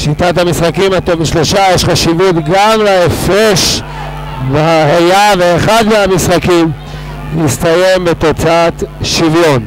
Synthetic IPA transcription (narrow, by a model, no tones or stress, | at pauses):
ʃit̪at̪hamisχakimat̪omiʃloʃajeʃχaʃivut̪ɡamlaefeʃ | veahajaveeχad̪meamisχakim | ist̪aje̞mbet̪o̞t͡saat̪ʃivjo̞n